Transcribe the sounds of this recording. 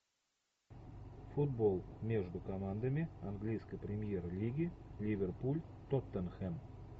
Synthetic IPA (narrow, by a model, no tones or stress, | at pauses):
fud̪̚bolˠmʲeʐd̪ukomɑnd̪əmʲiaŋɡlʲijskəjprʲɪmʲjerlʲiɡʲilʲivʲerpulʲ | t̪ot̪ːənxɛm